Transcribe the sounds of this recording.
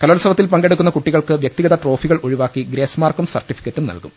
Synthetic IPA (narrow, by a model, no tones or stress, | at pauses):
kɐlolɐsɐʋɐt̪ːilpɐŋɡe̞ɽukːunːɐkuʈːiɣɐɭkɨʋjɐk̚t̪iɣɐðɐʈro̞ːfiɣɐɭo̞ɻiʋaːkːiɡɾe̞ːsmaːrkumsɐ̰rʈːifi̥kʲːɐtːumnɐ̰lkṵm